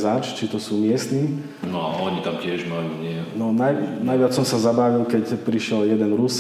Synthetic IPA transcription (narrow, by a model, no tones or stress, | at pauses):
zaːt͡ʃt͡ʃit̪ɔsuːmɪɛst̪niː | nɔa̰ʔɔɲit̪amcɪɛʒmajuːɲɪɛnɔnajnajʋɪat͡ssɔmsazabaʋilkɛcpɾiʃɪɛljɛd̪ɛnɾus